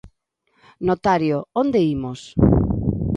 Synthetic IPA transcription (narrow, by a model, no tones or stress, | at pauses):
not̪aɾjoond̪eimos